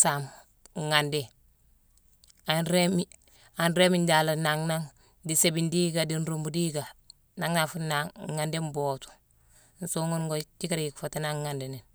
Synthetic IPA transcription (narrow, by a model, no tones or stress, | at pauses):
sam | ŋande | anɾemi | anɾeminɟalanaŋnaŋ | disebindiɡadinɾumbudiɡa | naŋnafunaŋŋandembotu̥ | n̩soŋonɡot͡ʃikaɾikfatanaŋŋandenen